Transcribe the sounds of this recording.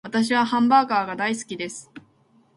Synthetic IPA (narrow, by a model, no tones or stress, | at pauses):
βat̪aɕ̬iβahãmbaːkaːɡad̪aisɨ̥kʲid̪e̞sɨ̥